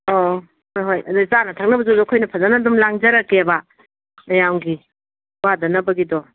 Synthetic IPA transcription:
o | hojɦojɐduzanɐtʰak̚nɐbɐzodɔɐkʰojnɐpʰɐzanadumlaŋd͡ʒɐɾɐkːeɐba | ɐjawɡi | wadɐnɐbɐɡidɔ

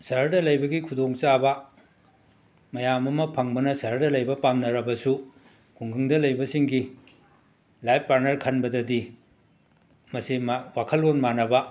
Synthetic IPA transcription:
sɐɾdɐlɐjbɐɡikʰudoŋt͡ʃabɐ | mɐjamɐmɐpʰɐŋbɐnɐsɐɾdɐlɐjbɐpamnɐɾɐbɐsu | kʰuŋɡɯŋdɐlɐjbɐsiŋɡi | lajpːaɾnɐɾkʰɐnbɐdɐdi | mɐsimwakʰɐlonmanɐbɐ

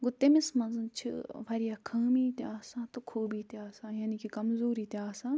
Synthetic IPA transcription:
ɡʊt̪emɪsmɐ̃nzɨnt͡ʃʰḭʋʰɐɾijakʰaːmit̪eaːsãːt̪ukʰoːbit̪eaːsãːjaːnikikɐmzoːɾit̪eaːsãː

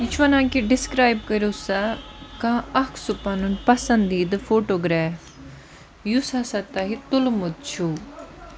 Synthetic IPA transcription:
ɪt͡ʃʰʋanãːkiɖɪskɾaːjb̚kəɾusakãːɐkʰsʊpanunpɐsənd̪iːd̪ɨpʰoːʈoːɡɾɛːf | jusaːsat̪aːɦit̪ʊlmʊd̪̚t͡ʃʰuː

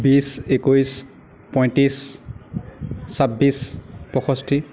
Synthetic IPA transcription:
bisekojs | pɔj̃ntis | sabispɔxɔstʰi

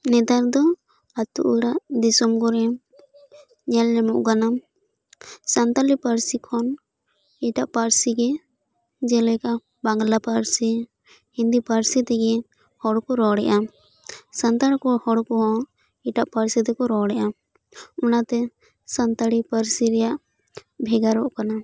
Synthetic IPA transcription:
nɛt̪aɾd̪ɔ | at̪ṵʔuɽaʔd̪isɔmkɔɾɛm | ɲɛlːɛmuʔɡanam | sant̪alipaɾsikʰɔn | iʈaʔpaɾsiɡɛ | d͡ʒɛlɛka | baŋɡlapaɾsi | hind̪ipaɾsit̪ɛɡɛ | hɔɽkɔɾɔɽɛ̰ʔa | sant̪aɽkɔhɔɽkɔɦɔ̃ | iʈaʔpaɾsit̪ɛkɔɾɔɽɛʔam | ɔnat̪ɛ | sant̪aɽipaɾsiɾɛjaʔ | bʱɛɡaɾɔʔkana

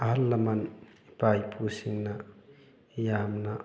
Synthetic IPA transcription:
aɦalːamanpajpʰusiŋna | jamna

